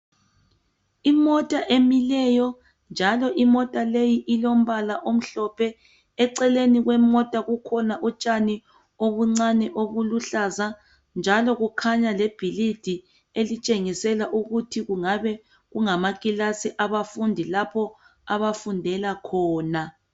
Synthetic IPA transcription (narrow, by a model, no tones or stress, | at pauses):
imɔtʼaʔemilɛjɔ | nd͡ʒʱalɔʔimɔtʼalejiʔilom̩βalaʔom̩ɬɔpʰɛ | ɛǀɛleniɣwɛmɔtʼaɣukʰɔnaʔut͡ʃʼani | oβuŋ͡ǀanɛʔoβuluɬaza | nd͡ʒʱalɔɣukʰaɲalɛb̥ʱilid̥ʱi | elit͡ʃʼeŋisɛlaʔuɣutʰiɣuŋaβɛ | ɣuŋamakʼilasiʔaβafundʱilapʰɔ | aβafundʱɛlakʰɔːna